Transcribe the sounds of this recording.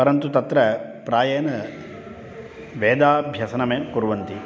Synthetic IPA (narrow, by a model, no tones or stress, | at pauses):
pɐɾɐnt̪ut̪ɐt̪ɾɐpɾaːjeːnɐ | ʋeːd̪aːbʱjɐsɐnɐmeːkuɾuʋɐnt̪i